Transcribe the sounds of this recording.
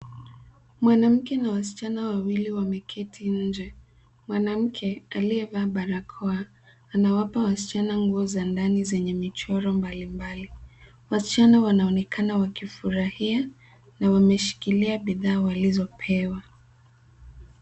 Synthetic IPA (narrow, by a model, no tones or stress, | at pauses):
mwanam̩kɛnawasi̥t͡ʃanawawiliwamɛkʰɛtʰiɲ̩d͡ʒɛ | mwanam̩kʰɛaliɛvaɓaɾakʰɔaː | nawapawasi̥t͡ʃanaŋɡuɔzandanizɛɲɛmit͡ʃɔɾɔmbalimbali | wasi̥t͡ʃanawanaɔnɛkʰanawakifuɾahia | nawamɛʃi̥kiliaɓiðaːwalizɔpʰɛwa